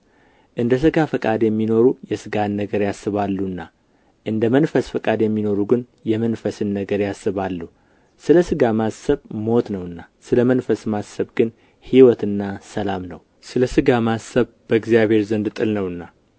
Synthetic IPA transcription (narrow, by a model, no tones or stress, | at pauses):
ʔɨnd̪əs̬ɨɡafəkʼad̪jɛmːino̞ɾujɛsɨɡanːəɡəɾjasːɨβalːunːa | ʔɨnd̪əmənfəsfɨkʼad̪jɛmːino̞ɾuɡɨn | jɛmənfəsɨnːəɡəɾjasːɨβalːu | sɨləsɨɡamasːəβmo̞t̪nəwɨnːasɨləmənfəsmasːəβɡɨn | hiwɔt̪ɨnːasəlamnəw | sɨləsɨɡamasəβ | b̥əɡzijaβhe̞ɾzənd̪t̪ʼɨlnəwɨnːa